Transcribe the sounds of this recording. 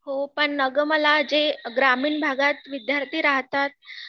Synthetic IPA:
ɦopəɳnəɡməlad͡ʑeɡɾamiːɳbʱaɡat̪ʋid̪jaɾt̪ʰiːɾaɦt̪at̪̚

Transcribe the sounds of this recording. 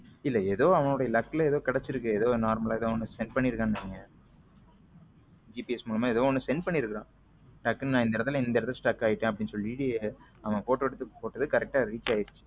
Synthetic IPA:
ɪlːɐeðoːɐʋɐŋoːɽɐjɐlɐkkːɪlɐɛðoːkɐɽɛt͡ʃːɪɾɯkːɯɛðoːnaːɾmɐlaːɛðoːɔnːɯsɛnpɐɳːɪɾɯkːãːnɐiŋɡɐ | d͡ʒiːpiɛsmuːlɐmãːɛðoːɔnːɯsɛnɖpɐɳːiɾɯkːɪɾãː | ʈɐkːɐnnãːɪnd̪ɐɛɾɐt̪ːɐlɪnd̪ɐɾɐðɐlsʈɐkːaːjɪʈːẽːɐpːɐɽɪnsɔlːɪiːɽieɐʋɐ̃poːʈːɯʋɐɽɯt̪ːɯpoːʈːɐðɯkɐɾɛk̚ʈaːɾiːt͡ʃːaːjɪɾɯt͡ʃːɯ̥

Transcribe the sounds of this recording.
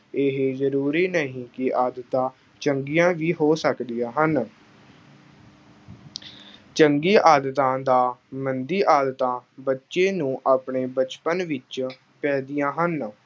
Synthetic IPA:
ɪɦeːzəɾuːɾiːnəɦĩːkɪʔaːd̪ət̪ãː | t͡ʃəŋɡijãːʋiːɦoːsəkd̪ijãːɦən | t͡ʃəŋɡiːʔaːd̪ət̪ãːd̪aːmənd̪iːʔaːd̪ət̪ãːbətːʃeːnũːʔaːpɳeːbət͡ʃpənʋɪt͡ʃ | pɛːd̪ɪjãːɦən

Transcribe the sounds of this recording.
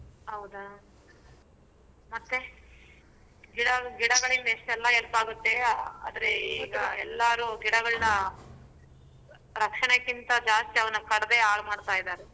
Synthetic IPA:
ɦɐwd̪a | mɐt̪ːe | ɡiɽɐɡiɽɐɡɐɭind̪ɐeʂʈɛlːɐelpaːɡut̪ːe̞a̰ːd̪ɐɾeiːɡɐɛlːaːɾuɡiɽɐɡɐɭnɐ | ɾɐkʂɐɳɐkːint̪ɐd͡ʒaːst̪iɐʋɐnɐkɐɽɐd̪e̞aːɡmaːɽt̪aːjd̪aːɾe

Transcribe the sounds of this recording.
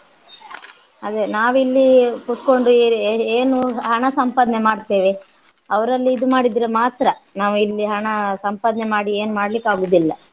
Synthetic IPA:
ɐd̪enaːʋilːikut̪ko̞ɳɖueːnuɦɐɳɐsɐmpaːd̪ɐnemaːɖt̪eːʋe | ɐʋɐɾɐlːiːd̪umaːɽid̪ɾemaːt̪ɾɐnaːʋuilːiɦɐɳɐsɐmpaːd̪nɛmaːɽieːnumaːɽɐlikːaːɡuːd̪ilːɐ

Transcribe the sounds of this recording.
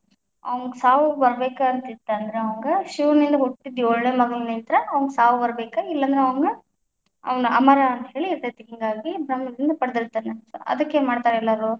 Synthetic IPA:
ɐ̰ʋɐŋɡɐsaːʋubɐɾbeːkaɐnt̪it̪ːɐɐnd̪ɐɾeɐʋɐŋɡɐʃuʋnind̪ɐɦoʈːid̪ːiɔɭːeːmɐɡɐnnint̪ɾɐɐʋɐŋɡsaːʋubɐɾbeːkɐilːɐnd̪ɾeɐʋɐŋɡɐ | ɐ̰ʋɐnuʔɐ̰mɐɾaɐnt̪ɐɦe̞ːɭiːɾt̪et̪ːeɦiŋɡaːɡibɾɐmːɐd̪ind̪ɐpɐɽd̪iɾt̪ːaneso̰ʔɐ̰d̪ɐkːemaːɽt̪aːɾɐɛlːaːɾo

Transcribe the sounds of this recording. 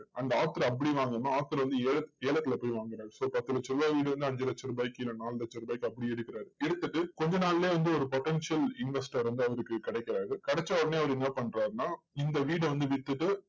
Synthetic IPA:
ɐnd̪ɐaːt̪ːɯɾɐ̃ɐp̬ːɐɽiʋaːŋɡɐnːaaːt̪ːɪɾɐʋɐnd̪ɯeːlɐeːlɐt̪ːɪlɐpoːjʋaːŋɡɪɾaːɾɯsoːpɐt̪ːɯlɐt͡ʃːɪɾɯaːʋiːɽɯʋɐnd̪ɯɐɲd͡ʒɐlɐt͡ʃːɐɾɯbaːjɪkːɪlɐnaːllɐt͡ʃːɐɾɯbaːjɪkːɯɐpːɐɽiɛɽɯkːɪɾaːɾɯɛɽɯt̪ːɯʈːɯkɔɲd͡ʒɐnaːlleːʋɐnd̪ɯɔɾɯpɔʈːɛnʂɐlɪnʋɛsʈɐɾʋɐnd̪ɯɐʋɐɾɯkːɯkɪɽɛɪkːɪɾaːɾɯkɐɽɛt͡ʃːaɔːɽɐneːɐʋɐɾɪnːɐpɐɳɾaːɾɯnaː | ɪnd̪ɐʋiːɽɯʋɐnd̪ɯʋɪt̪ːɯʈːɯ

